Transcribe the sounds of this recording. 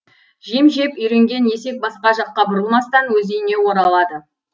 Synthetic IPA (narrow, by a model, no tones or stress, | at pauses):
ʒijəmʒe̞pʏjɾe̞ŋɡʲe̞nje̞se̞k̚bɑsqɑʒɑqːɑbʊɾəlˠmɑst̪ɑnwɵzejɪne̞wo̞ɾɑlˠɑd̪ə